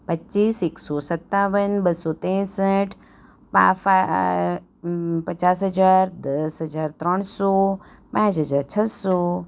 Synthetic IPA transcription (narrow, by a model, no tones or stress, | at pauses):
pətːiːseːksɔsət̪ːaːʋənbəsɔːt̪ẽsəʈʰ | pa̰fa | pɐt͡ʃaːs̬ɦəd͡ʒaːɾd̪əsɦəd͡ʒaːɾt̪ɾəɳ̃sɔ | pãːt͡ʃɦəd͡ʒaːɾt͡ʃʰəsɔ